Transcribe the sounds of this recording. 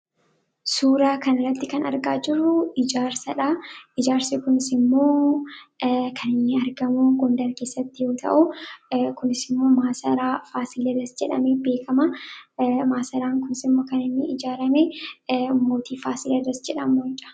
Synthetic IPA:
suːɾaːkɐnɐrːɐt̪ːɪkɐnɐ̰ɾɡaːd͡ʒɪrːʊɪd͡ʒaːɾsɐᶑaɪd͡ʒaːɾsekʊnɪsɪmːo̞ː | kʰɐnɪnːɪɐɾɡɐmuɡond̪ɐɾkeːsːɐt̪ːɪjo̞ːt̪ʰɐ̰ʔʊkʊnɪsɪmːo̞ːmaːsɐɾaːfaːsɪlɐdɐsd͡ʒɛᶑɐ̰mebe̞ːkʰɐmɐ | maːsɐɾaːŋkʊnɪsɪmːo̞ːkɐnɪnːɪɪd͡ʒaːɾɐmɛʊmːoːt̪iːfaːsɪlɐdɐsd͡ʒɛᶑɐmːoɪt͡ʃɐ̥

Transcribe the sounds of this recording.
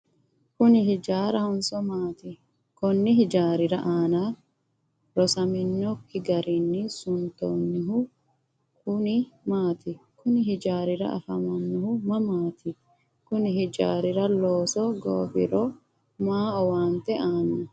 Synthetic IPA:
kʊnɪɦɪd͡ʒaːɾɐhʊnsɔmaːt̪ɪ | kɔnːɪɦɪd͡ʒaːɾɪɾɐʔaːna | ɾɔsɐmɪnːɔkːɪɡɐɾɪnːɪsʊnt̪onːɪɦʊ | kʊnɪmaːt̪ɪkʊnɪhɪd͡ʒaːɾɪɾɐ̰ʔɐ̰fɐmɐnːɪhʊmɐmaːt̪ɪ | kʊnɪɦɪd͡ʒa̰ːɾɪɾɐloːsɔɡo̰ːfɪ̰ɾɔ | maːɔwaːnt̪ɛaːnɐ

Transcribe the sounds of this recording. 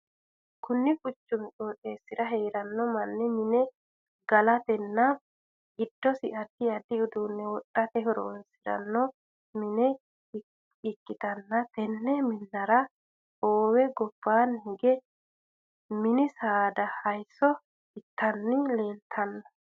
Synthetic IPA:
kʊnːɪkʊt͡ʃːʊnt͡ʃʼoːᶑʼeːsːɪɾɐɦeːɾɐnːɔmɐnːɛmɪnɛ | ɡɐlɐt̪ɛnːɐ | ɡɪd̪̥ːɔsɪɐd̪ɪɐd̪ɪʊd̪uːnːɛwɔtʼːɐt̪ɛɦɔɾo̰ːnsɪɾɐ̰nːɔ | mɪnɛ | ɪkːɪt̪ɐnːɐt̪ɛnːɛmɪnːɐɾɐ | oːwɛɡɔb̥ːaːnhɪɡɛ | mɪnɪsaːd̪ɐhɐjsɔ | ɪt̪ːɐnːɪle̞ːlt̪ʰɐnːɐ

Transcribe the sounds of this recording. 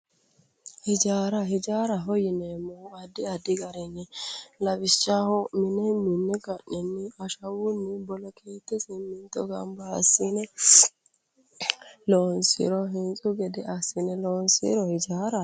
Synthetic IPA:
hɪd͡ʒaːɾɐhɪd͡ʒaːɾɐɦɔjɪnɛmːɔʊɐd̪ːɪɐd̪ːɪɡɐɾɛnːɛlɐbɪʃːahɔmɪnɛmɪnːɛɡɐʔɛnːɪɐʃɐwʊnːɪbɔlɔkʰeːt̪ːɛsɪmːɪnt̪ːɔɡɐ̰mbɐ̰ːsːɪnɛ | loːnsɪ̰ɾɔɦɪnt͡sʼʊɡɛd̪ɛʔɐsːɪnɛloːnsḭɾɔhɪd͡ʒaːɾɐ

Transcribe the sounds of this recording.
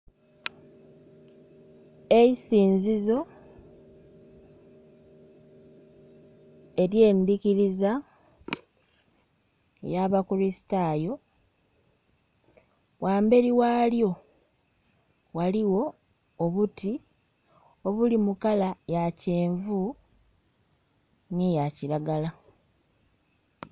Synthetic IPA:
e̞isiːnzizo̞ | e̞ɾje̞ːndiciɾiza | jaβakuɾisi̥tajo̞ | wʔaːmbe̞ɾiwaːljo̞ | waliwo̞ | oβuti | o̞βulimukalajaceːɱvu | nijaciɾaɡala

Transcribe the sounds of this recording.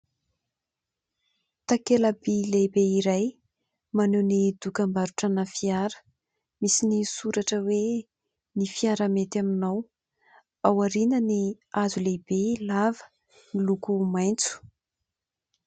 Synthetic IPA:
t̪akeləbilebeiɾaj | manenid̪ukambaɾuʈ͡ʂanafiaɾə̥ | misinisuɾaʈ͡ʂəwe | nifiaɾamet̪aminaw | awaɾinəni | azulebelavə̥ | milukumajnt͡su̥

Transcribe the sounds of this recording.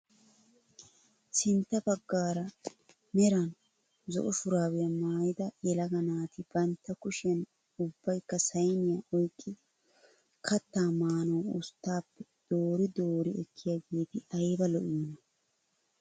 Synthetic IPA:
sɪnt̪ːɐbɐɡːaːɾɐ | mɛɾɐn | zɔ̰ʔɔfʊɾaːwɪjɐmaːjɪd̪ɐjɛlɐɡɐnaːt̪ɪb̥ɐnt̪ːɐkʊʃɪjɐn | ʊbːɐjkːɐsɐjnɪjaʔɔjkʼːɪ | kʰɐt̪ːaːmaːnoːʊst̪ːaːpːɛd̪̥oːɾɪd̪oːɾɪɛkʰːɪjaːɡe̞ːt̪ɪʔɐjbɐlɔʔiːnɐ

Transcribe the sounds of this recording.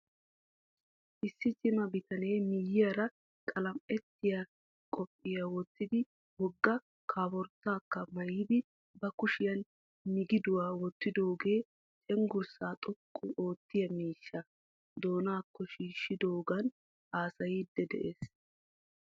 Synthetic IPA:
ʔɪsːɪt͡ʃɪmɐbɪt̪ɐne̞ːmɪjɪjaɾɐ | kʼɐlɐmɛt̪ːɪja | kʼɔpʼːɪjawɔt̪ːɪd̪ɪ | hɔɡːɐ | kʰaːbɔɾt̪ːaːkːɐmɐjɪd̪ɪ | bɐkʊʃɪjɐn | mɪɡɪd̪ʊwaːwɔt̪ːɪd̪o̞ːɡe̞ː | t͡ʃʼɛŋɡʊɾsaːt̪ʼɔkʼːʊʔo̞ːt̪ːɪjɐmiːʃːɐ | d̪o̞ːnaːkːɔʃiːʃːɪd̪o̞ːɡɐn | ʔaːsɐjiːd̪ːɛd̪ɛ̰ʔeːs

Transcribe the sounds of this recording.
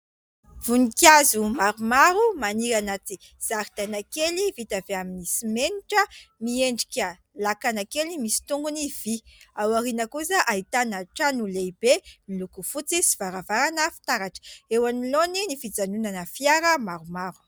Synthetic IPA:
v̥unikazumaɾumaɾumaniɾanat͡s̪i | z̥aɾit̪anakelivit̪aveaminisimeniʈ͡ʂəmieɳɖ͡ʐikʲə | lakanakelimisi̥t̪uŋɡuniv̥iawaɾinəkusəʔait̪anaʈ͡ʂanuleb̥emilukufut͡sisivaɾavaɾanəfi̥t̪aɾaʈ͡ʂə̥ewaniloninifid͡zanunanəfiaɾəmaɾumaɾu̥

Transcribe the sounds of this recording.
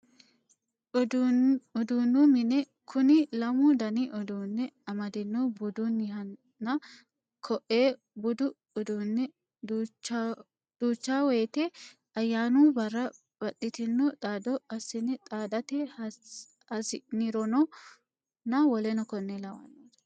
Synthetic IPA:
dɔd̪uːnːumɪnɛ | kʰʊnɪlɐmʊd̪ɐnɪʔɔd̪uːnːɛɐmɐd̪ɪnːɔbʊd̪unɪhɐnː | ɐ | kʰɔʔeː | bʊd̪ʊ | ɔd̪uːnːɛ | d̪ | d̪̥uːt͡ʃːaːwɛjt̪e | ɐjːaːnuːbɐrːɐ | b̥ɐt̪ʼːɪt̪ɪnːɔt̪ʼaːd̪ɔɐsɪnɛt̪ʼaːd̪ɐt̪ɛ | ɐsɪnɪɾɔnɔ | nːɐwɔlɛnɔkɔnːɛlɐwɐ̰nːoːs

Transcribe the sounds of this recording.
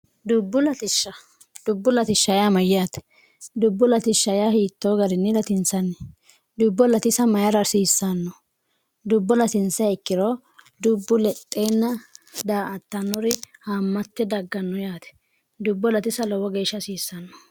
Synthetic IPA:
d̪ʊbːʊlɐt̪ɪʃːɐ | d̪̥ʊbːʊlɐt̪ɪʃːɐjaːmɐjɪjaːt̪ɛ̥ | d̪ʊbːʊlɐt̪ɪʃːɐjahiːt̪ːoːɡɐɾɪnːɛlɐt̪ɪnsɐnːɛ | d̪ʊbːɔlɐt̪ɪsɐmɐjɐɾɐsiːsːanːɔ | d̪ʊbːɔlɐt̪ɪnt͡sːɐɛkːɪɾɔ | d̪ʊbːʊlɛt̪ʼːeːnːɐd̪aːɐt̪ːɐnːɔɾɪhamːɐt̪ːɛd̪ɐɡːɐnːɔjaːt̪ɛ̥ | d̪ʊbːɔlɐt̪ɪsɐlɔwɔɡeːʃːɐsiːsːɐnːɔ̥

